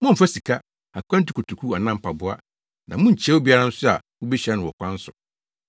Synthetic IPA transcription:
mɔ̃˦m̩˨fa˦si˨kʰa˦ | a˨kʰʷn˦ti˨kʰu˨tʰu˨kʰu˦a˨nã˦m̩˨pʰa˨bʊ˦a̰˦ | nã˨mũ˦ɲ̩˨t͡ɕʰɛ˦wo˦bi˦a˦ɾã˦n̩˦sʊ˦a˨ | wʊ˦bi˦ɕɛ˦nʊ̃˨wɔ˨kʷã˦n̩˦sʊ˨

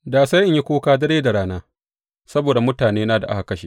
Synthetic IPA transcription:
daː˨sa˦ʔɪ˦ɲji˦kʷoː˦kaː˦dɐ˦ɽeː˦da˨ɽaː˦naː˦ | sɐ˦boː˨da˨mʊ˦taː˨neː˦naː˦˨da˨ʔa̰˦ha˨kɐ˦ʃḛ˨

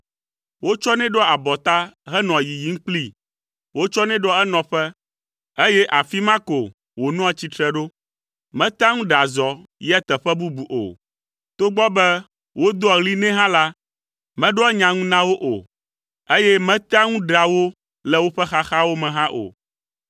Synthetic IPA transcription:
wo˦t͡ʃɔ˦nɛ̃˦ɖɔ˦a˨bɔ˨t̪a˦ɦɛ˦nɔ̃˨ji˨ji˦ŋ̩˦k͡pli˦ | wo˦t͡ʃɔ˦nɛ̃˦ɖɔ˦ɛ˦nɔ̃˨ɸɛ˦ | e˦jɛ˦ʔa˨fi˦mã˦ko˨ | wo˨nɔ̃˦a˨t͡ɕi˦t̪ɾɛ˦ɖo˦ | mɛ̃˦t̪a˦ŋũ˦ɖa˨zɔ˨jɛ˦t̪ɛ˨ɸɛ˦bu˦bu˨ʔo̰˨ | t̪o˦ɡ͡bɔ˦bɛ˦ | wo˦d̪ɔ˦˨ɣli˦nɛ̃˦ɦã˦la˦ | mɛ̃˦ɖɔ˦ɛ˦ɲã˨ŋũ˦nã˦wo˦ʔo̰˨ | e˦jɛ˦mɛ̃˦t̪a˦ŋũ˦ɖa˨wo˦ | lɛ˦wo˦ɸɛ˦xa˦xa˦wo˦mɛ̃˨ɦã˦ʔo̰˨

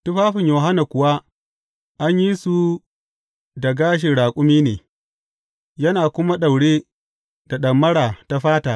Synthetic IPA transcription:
tʊ˦ɸaː˦ɸɪ˨ɲjoː˨ɦa˦na˨kʷʊ˨wa˦ | ʔa˦ɲji˦su˨ | da˨ɡaː˦ʃ̬ɪ˨ɽaː˨kʷʼʊ˦miː˦nḛː˨ | jɐ˦naː˨kʷʊ˦ma˦ɗa˨wɽeː˦ | da˨ɗɐ˨mːɐ˦ɽaː˨ta˦ɸaː˦taː˨

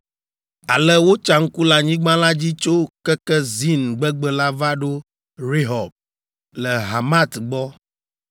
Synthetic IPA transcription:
a˨lɛ˦wo˦t͡ʃa˨ŋ̩˦ku˦la˨ɲĩ˦ɡ͡bã˦la˦d͡ʑi˦t͡ʃo˦kɛ˦kɛ˦zi˦nɡ͡bɛ˦ɡ͡bɛ˦la˦va˦ɖo˦ | ɾe˦ɦɔ˨b̚ | lɛ˨ɦa˨ma˦t̪ɡ͡bɔ˦

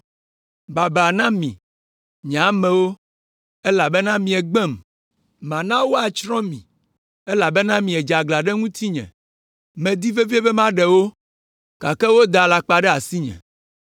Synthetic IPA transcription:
ba˨ba˨nã˦mḭ̃˨ | ɲ˨a˨˦mɛ̃˨wo˦ | e˦la˨be˦nã˦mĩ˨ɛ˨ɡ͡bɛ˦˨m | mã˨nã˦wo˦a˨t͡ʃɾɔ̃˦mḭ̃˨ | e˦la˨be˦nã˦mĩ˨ɛ˨d͡ʒa˨ɡla˨ɖɛ˦ŋũ˦t̪ʰi˦ɲɛ̰̃˨ | mɛ̃˨d̪i˦ve˦vi˦e˦be˦mã˦ɖɛ˨wo˦ | ka˨kɛ˦wo˦d̪a˨la˨k͡pa˨ɖɛ˦a˨si˦ɲɛ̰̃˨

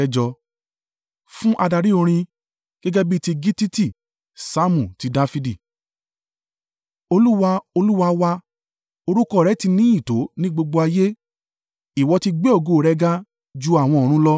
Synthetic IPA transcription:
ɛ˦d͡ʒɔ˧ | fũ˦ʔa˧da˧ɾi˦o˧ɾ̃ĩ˧ | ɡ̥ɛ˦ɡɛ˦bi˦ti˧ɡi˦ti˦ti˦˨ | sa˦mũ˨ti˨˦da˦fi˧˦di˦˨ | o˧lu˦wa˧o˧lu˦wa˧wa˧ | o˧ɾu˦kɔ˦˨ɾɛ˨˦ti˧nĩ˦i˦˨to˨˦nĩ˦ɡ͡bo˧ɡ͡bo˧a˧je˦ | i˨wɔ˧ti˧ɡ͡be˦o˦˨ɡo˨ɾɛ˦ɡa˦ | d͡ʒu˦a˨w̃ɔ̃˧ɔ˨ɾ̃ũ˦lɔ˦

